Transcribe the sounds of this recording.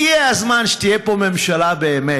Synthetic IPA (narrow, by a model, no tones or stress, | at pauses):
iɛazmanʃtiɛpomɛmʃɛlabɛmɛ